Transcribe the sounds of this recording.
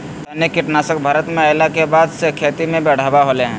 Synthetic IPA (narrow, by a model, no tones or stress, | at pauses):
t̪ɐnekɪʈnaːsək̚bʱaːɾət̪mẽɐjlakebaːd̪sekʰeːt̪imẽbɛːɽ̤aːbaɦoleɦɛ̃ː